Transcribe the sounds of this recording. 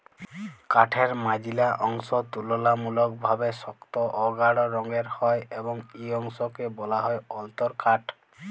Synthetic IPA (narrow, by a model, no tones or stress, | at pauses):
kaʈʰeɾmad͡ʒilaʔɔŋsɔt̪ulɔlamulɔk̚bʱabesɔkt̪ɔʔɔɡaɽɔɾɔŋɡeɾhɔjebɔŋeɔŋsɔkebɔlaɦɔjɔlt̪ɔɾkaʈʰ